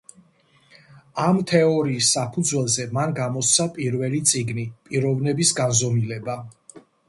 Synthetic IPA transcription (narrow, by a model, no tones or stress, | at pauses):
amt̪ʰɛɔɾiːsːapʰud̪zwɛlˠzɛmanɡamɔst̪sʰapʼiɾvɛlit̪sʼiɡnipʼiɾɔvnɛbisɡanzɔmilɛba